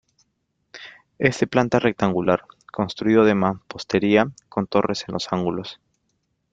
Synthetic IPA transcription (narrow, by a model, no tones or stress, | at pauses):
est̪e̞plant̪arʔek̚t̪aŋɡulaɾko̞nst̪ɾuiðoðe̞mapo̞st̪e̞ɾiako̞nt̪o̞rese̞nlʔo̞saŋɡulo̞s